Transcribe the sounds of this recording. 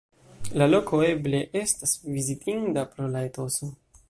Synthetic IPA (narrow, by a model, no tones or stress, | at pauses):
lalo̞kʰo̞e̞ble̞ʔe̞stasvizitʰindapɾolaetoso